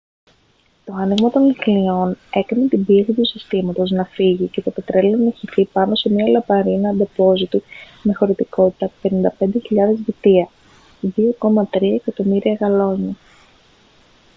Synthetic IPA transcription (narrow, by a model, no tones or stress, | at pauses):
t̪o̞ɐniɣmɐt̪o̞nmixlio̞ne̞kinet̪ibiesit̪usist̪imɐt̪o̞znɐfiʝice̞t̪opet̪ɾe̞loneçiθipɐno̞se̞mɲiɐlɐpɐɾinɐd̪epo̞zit̪u | me̞xo̞ɾit̪iko̞t̪i̥t̪ɐpe̞nind̪ɐpe̞nd̪e̞çiʎɐðe̞zðit̪iɐ | ðio̞ko̞mɐt̪ɾiɐekɐt̪o̞miɾiɐɣɐlo̞ɲɐ